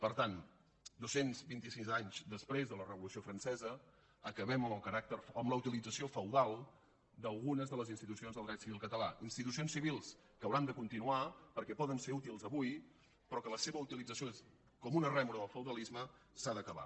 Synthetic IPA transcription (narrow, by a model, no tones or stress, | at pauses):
pəɾt̪an | d̪osenzbint̪isizaɲzd̪əspɾezðələrəβulusiofɾənsɛzə | əkəβɛməməlˠkəɾak̚t̪əɾəmləut̪ilid͡zəsiofəwðalˠ | d̪əlˠɣunəzðələzinst̪it̪usionzðəlˠd̪ɾɛt̪siβilˠkət̪əlainst̪it̪us̬ionsiβilˠs | kəwɾand̪əkunt̪inuapəɾkɛpɔðənseɾut̪ilˠzəβuj | pɾɔkələseβəut̪ilid͡zəsijoes | kɔmunərɛmuɾəðəlˠfəwðəlizmə | saðəkəβa̰